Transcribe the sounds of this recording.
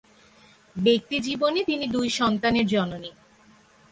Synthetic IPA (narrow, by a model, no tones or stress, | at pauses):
bek̚t̪id͡ʑibonet̪inid̪ujʃɔnt̪aneɾd͡ʑɔnoni